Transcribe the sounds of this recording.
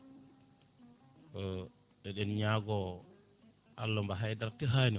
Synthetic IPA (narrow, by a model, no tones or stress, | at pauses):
ɔ | ɗɛɗɛnɲaːɡɔ | ʔalːɔmbaɦajdaɾtiɦaːni